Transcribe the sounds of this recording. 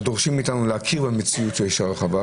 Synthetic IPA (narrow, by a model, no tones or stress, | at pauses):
d̪oʁʃimit̪anulehakʰiʁbemet͡siut̪veiʃaʁlχava